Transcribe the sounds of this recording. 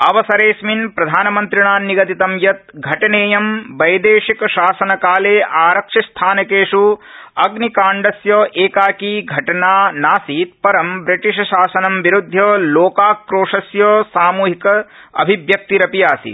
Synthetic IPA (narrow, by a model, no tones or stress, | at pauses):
ɐʋɐsɐɾeːsminpɾɐd̪ʱaːnɐmɐnt̪ɾiɳaːniɡɐt̪it̪ɐmjɐt̪̚ɡʱɐʈɐneːjɐmbɐjd̪eːʂikɐʃaːsɐnɐkaːleːʔaːɾɐkʂɐst̪ʰaːnɐkeːʂuɐɡnikaːɳɖɐsjɐːʔeːkaːkiɡʱɐʈɐnaːnaːsiːt̪̚pɐɾɐmbɾiʈiʃɐʃaːsɐnɐmʋiɾud̪ʱːɐloːkaːkɾoːʂɐsjɐːsaːmuːɦikɐɐ̰bʱiʋjɐk̚t̪iɾɐpijaːsḭ